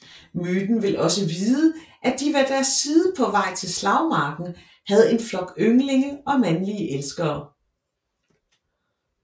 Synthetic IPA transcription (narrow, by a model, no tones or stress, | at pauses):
myːd̥n̩ʋe̝lʔɒ̽səʋiːð̞ˠəʔæd̥iʋæd̥æɐsːiːð̞ˠəpʰɒ̽ʋɑ̈ɪ̰t͡sʰe̝lslɑ̈ʊmɑ̈ːɡ̥n̩ | hæð̞̩ˠe̝nflɒ̽ɡ̥øŋle̝ŋəɒ̽mænliəʔelsɡ̥ɐː